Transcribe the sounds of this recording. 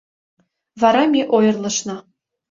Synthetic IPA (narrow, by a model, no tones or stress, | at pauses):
vɑɾɑmʲeʔojɤ̆rlˠɤ̆ʃnɤ̆